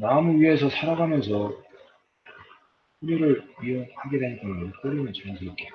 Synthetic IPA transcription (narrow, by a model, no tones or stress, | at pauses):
maɯmuɥiɦe̞s̬ʰʌsʰaɾaɡamjʌnsʰʌ | ɸuniɾɯɭɥioŋhaɡidenɡʌmnɯk͈oɾimjʌnt͡ɕɯsʰuik͈e